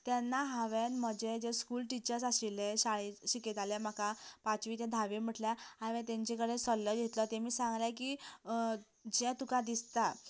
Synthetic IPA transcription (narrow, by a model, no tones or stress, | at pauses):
t̪ɛnːaɦaʋẽnməd͡ʑed͡ʑeskuːlʈit͡ɕəɾsasileɕaɭeɕiket̪alem̤akapat͡sʋiːt̪jãd̪ʱaʋem̤əʈljahaʋɛ̃t̪ɛ̃ɲt͡ɕekəɽesəlːəɡʱet̪lɔt̪emiːsãŋɡlak̬iː | d͡ʑɛt̪ukãd̪ist̪a